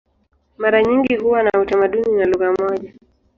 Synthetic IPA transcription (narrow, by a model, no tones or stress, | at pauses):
maɾaɲiŋɡihuwanautamaɗuninaluɣamɔʄa